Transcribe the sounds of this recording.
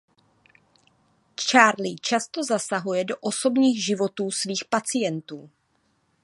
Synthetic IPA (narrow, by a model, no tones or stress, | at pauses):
t͡ʃaːɾlit͡ʃast̪o̞zasaɦujɛdo̞ʔo̞so̞bɲiːɣʒɪvo̞t̪uːsviːxpat͡sɪjɛnt̪uː